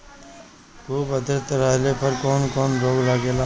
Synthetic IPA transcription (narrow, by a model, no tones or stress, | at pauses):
kʰuːbəd̪ɾət̪ɾəɦlepɐɾkɔːnkɔːnɾoːɡlaɡeːlaː